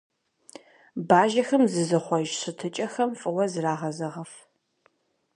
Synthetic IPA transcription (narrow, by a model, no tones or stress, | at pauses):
baːʒɐxɐmzɨzɨχʷɔʒɕɨtʰɨt͡ʃʼɐxɐmfʼɨwɐzraːʁɐzɐʁɐf